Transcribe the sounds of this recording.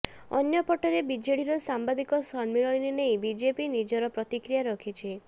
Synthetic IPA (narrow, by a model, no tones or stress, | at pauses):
ɔ̰njɔpɔʈɔɾebid͡ʒeɽiɾɔsambad̪ikɔsɔnmiɭɔɽininejbid͡ʒepinid͡ʒɔɾɔpɾɔt̪ikɾijaɾɔkʰit͡ʃʰi